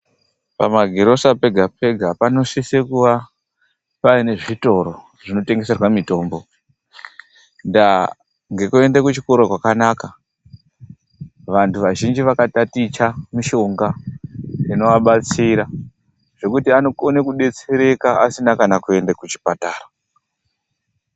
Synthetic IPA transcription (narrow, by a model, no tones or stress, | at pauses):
pa̰maɡʱeɾo̞sape̞ɡʱap̚e̞ɡʱapano̞sisekuʋa | paine̞ʐito̞ɾo̞ | ʐ̥ino̞te̞ŋɡe̞se̞rwamito̞ːmbo̞ | nda | ŋɡe̞kue̞ndakut͡ʃiko̞ɾokwakanaka | ʋantʰuʋaʒind͡ʒiʋakatatit͡ʃamiʃo̞ŋɡa | ino̞ʋaɓat͡siɾa | ʐ̥e̞kutianoonekuɗe̞t͡seɾe̞kaa̰sinakanakue̞ndakut͡ʃi̥pataːra